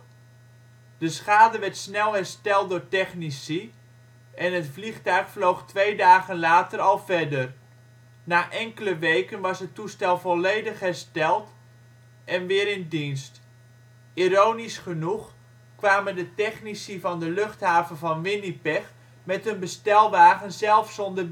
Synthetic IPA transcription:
d̥əsχaːdəʋɛɹtsnɛlˠɦɛrstɛlˠdʊːɹtɛχnisi | ʔɛnɦətfliχtœɥχflowχtʋejdaːɣənlaːtəɾɑlˠvɛdər | naːʔɛŋkələʋejkənʋɑsɦətustɛlˠvɔlˠejdəχɦɛrstɛlˠt | ʔɛnʋɪːɾɪndinst | iɾownisχənuχ | kʋaːməndətɛχnisivɑndəløχtɦaːvənvɑnʋɪnipɛx | mɛtənbəstɛlˠʋaːɣənzɛlˠfsɔndər

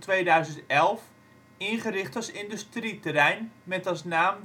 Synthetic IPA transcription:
tʋeːdœɥzəntɛlˠf | ɪnχəɾɪχtɑsɪndəstritərɛjnmɛtɑsnaːm

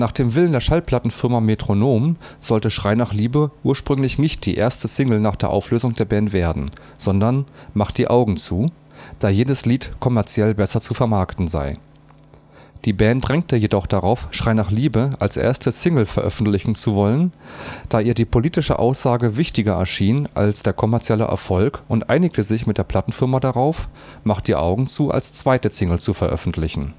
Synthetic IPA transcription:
naːχd̥eːmvɪləndeːɐʃalpl̥atn̩fɪɐmametʁ̥onoːmz̥ɔltəʃʁ̥aɪnaːχliːbəʔuːɐʃpʁ̥ʏŋlɪçnɪçt̚d̥ḭːʔḛːɐstəsɪŋl̩naːχd̥eːɐʔaʊfløːzʊŋdeːɐbɛːntv̥eːɐdn̩ | z̥ɔndɐnmaχt̚d̥iːʔaʊɡŋ̩t͡suː | d̥aːjeːdəsliːtkʰɔmɛɐt͡sjɛlbɛsɐt͡sufɛɐmaɐktn̩za̰ɪ | d̥iːbɛːntd̥ʁɛŋk̚təjedɔχd̥aʁaʊfʃʁ̥aɪnaːχliːbəalsʔḛːɐstəsɪŋl̩fɛɐʔœ̰fn̩tlɪçn̩t͡suvɔlənd̥aːʔiːɐdiːpʰoliːtɪʃə̰ʔa̰ʊsz̥aːɡəvɪçtɪɡɐɛ̰ɐʃiːnʔa̰lsd̥eːɐkʰɔmɛɐt͡sjɛlə̰ʔɛ̰ɐfɔlkʊntʔa̰ɪnɪk̚tʰəzɪçmɪt̚d̥eːɐpʰl̥atn̩fɪʁɐmadaʁaʊf | maχtd̥iːʔa̰ʊɡŋ̩t͡suːʔa̰lst͡sv̥aɪtəsɪŋl̩t͡sufɛɐʔœ̰fn̩tʰlɪçn̩

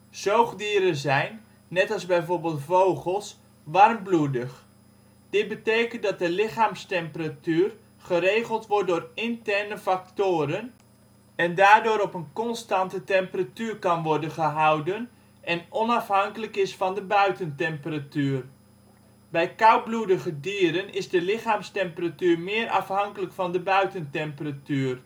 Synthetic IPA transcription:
sowχdiːɾəzɛjnː | ɛtɑlˠzbɛjvoːɹbeːlˠtfowχəlˠs | ʋɑrmbludəχ | d̥ɪt̚bətejkəndɑt̚dəlɪχaːmstɛmpəratyːr | χəɾejχəlˠtʋɔrt̚dʊːrɪntɛrnəfaktoːɾən | ɛndaːrdʊːɾɔpənkɔnstantətɛmpəratyːrkɑnʋɔrdənχəɦawdən | ʔɛnɔnɑfɦɑŋkələkɪsfɑndəbœɥtəntɛmpəratyːr | bɛjkawbludəχədiːɾənɪzdəlɪχaːmstɛmpəratyːrmɪːrʔɑ̰fhɑŋkələkfɑndəbœɥtəntɛmpəratyːr

